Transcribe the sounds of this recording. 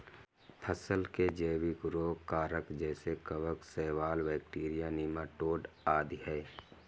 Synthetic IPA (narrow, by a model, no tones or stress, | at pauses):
pʰəsəlked͡ʒəːwɪkɾoːkaːɾəkd͡ʒɛːsekəʋəksɛːʋaːlʋɛːk̚ʈiːɾijaniːmaʈoːɖ | aːd̪iɦɛː